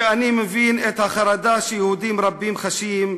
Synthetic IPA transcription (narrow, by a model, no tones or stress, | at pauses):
animevinet̪haχaɾad̪aʃejehud̪imɾabimχaʃim